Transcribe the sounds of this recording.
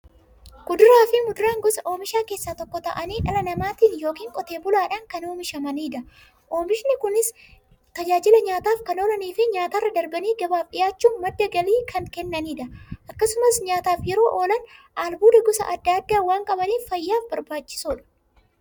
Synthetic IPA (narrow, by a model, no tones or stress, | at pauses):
ɡ̥ʊd̪ʊɾaːfɪmʊd̪ʊɾaːŋɡɔsɐʔo̞ːmɪʃaːke̞ːsːaːt̪ɔkːɔt̪ɐʔɐniːᶑɐlɐnɐmaːt̪iːnjo̞ːkiːŋkʼɔt̪eːbʊlaːᶑɐŋkɐnoːmɪʃɐmɐniːᶑ̪ɐ | ʔo̞ːmɪʃnɪkʊnɪs | t̪ɐd͡ʒaːd͡ʒɪlɐɲaːt̪aːfkɐno̞ːlɐniːfɪɲaːt̪arːɐd̪ɐɾbɐniːɡɐbaːfᶑɪjaːt͡ʃːuːnmɐd̪ːɐɡɐliːkʰɐŋkɛnːɐniːᶑ̪ɐʔɐkːɐsʊmɐsɲaːt̪aːfjɛɾo̞ːʔoːlɐnʔaːlbuːd̪ɐɡɔsɐ̰ʔɐd̪ːɐd̪ːaːwaːŋkʼɐbɐniːffɐjːaːfbɐɾbaːt͡ʃːɪ̥suːᶑɐ̥